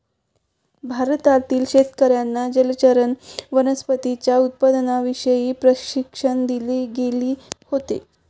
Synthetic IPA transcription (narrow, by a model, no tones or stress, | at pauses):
bʱaɾt̪aɾt̪iːlɕet̪kəɾjanːad͡ʑəlt͡ɕəɾənʋənəspət̪it͡ɕjaut̪̚pad̪naʋiʂəjiːpɾəɕikʂəɳd̪ileːɡeliːhot̪ḛ